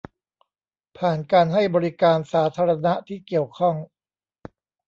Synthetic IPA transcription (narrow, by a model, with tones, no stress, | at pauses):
pʰaː˨˩nkaː˧nɦa˥˩jbɔː˧ɾi˦kaː˧nsaː˩˦t̪ʰaː˧ɾa˧na˦˥ʔt̪ʰiː˥˩ki˨˩əwkʰɔ˥˩ŋ